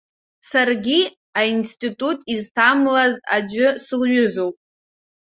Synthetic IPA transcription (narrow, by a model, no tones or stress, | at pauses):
sarɡʲi | ainstʼitʼutʼiztʰamlazad͡ʒʊsɨlɥʊzowpʼ